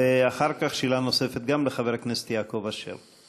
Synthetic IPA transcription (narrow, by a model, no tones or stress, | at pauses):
eaχaʁkaχʃilano̞se̞fet̪̚ɡamleχaveʁakneset̪jaːko̞vaʃḛʁ